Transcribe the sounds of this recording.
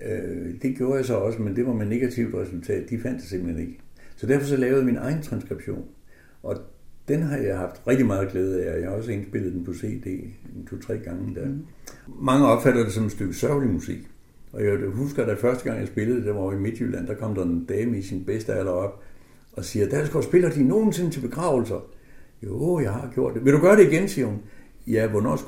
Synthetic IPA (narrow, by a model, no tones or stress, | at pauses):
ød̥e̝ɡ̥jo̝ːɐjaɪs̬ɒ̽ɒ̽səmend̥e̝ʋɑ̈mene̝ɡ̥æt͡sʰiʊ̰d̥ʁɛsult͡sʰɛ̰ːd̥ːifæn̰d̥ese̝m̰əl̩hene̝ɡ̥əsɒ̽d̥æɐfɒ̽sɒ̽lɛːʊð̞̩ˠminʔɑ̈ɪn̩t͡sʰʁɑ̈nsɡ̥ʁib̥ɕo̝̰ːn | ʔɒ̽d̥enɦɑ̈jɑ̈ɪhɑ̈fd̥ʁɛɡ̥̚d̥imɑ̈ːð̞̩ˠɡ̥leːð̞̩ˠæjɑhɒ̽səe̝nsb̥e̝l̰ð̩ˠd̥enpʰɒ̽se̝̰ːd̥e̝̰ːt͡sʰot͡sʰʁɛ̰ːɡ̥ɑ̈ŋəd̥æɐmɑ̈ŋəɒ̽b̥fæɾ̥ɐd̥esɒ̽msd̥øɡ̥əsɶɐʊlimusiɡ̥ | ʔɒ̽jæɦusɡ̥ɐɾ̥æfɶɐsd̥əɡ̥ɑ̈ŋ̰jɑ̈ɪsb̥e̝ləð̩ˠd̥eʋɑoime̝d̥jy̰lʔæn̰d̥ɑkʰɒ̽m̰d̥ɑ̈e̝nd̥ɛːməisinb̥esd̥əælɐɒ̽b̥ | ɒ̽siːɐd̥æsɡ̥ɒsb̥e̝lɐd̥ino̝ːn̩se̝nət͡sʰe̝b̥e̝ɡ̥ʁɑ̰̈ʊl̩sɐjojɑ̈ɪhɑ̈ɡ̥jo̝ɐ̰d̥ːeʋe̝ɾuɡ̥ɶɐɾe̝iɡ̥ensiːɐhun | jæʋɒnɒ̰s